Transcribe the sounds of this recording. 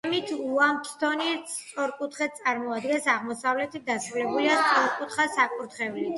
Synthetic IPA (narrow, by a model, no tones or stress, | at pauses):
mit̪ʰuamt̪ʰt̪ʰɔnisʼɔɾkʼut̪ʰχɛt̪̚t̪sʼaɾmɔad̪ɡɛnsaʁmɔsavlɛt̪ʰit̪̚d̪asɾulɛbuliat̪ʼɔɾkʼut̪ʰχasakʼuɾt̪χɛvlit̪ʰ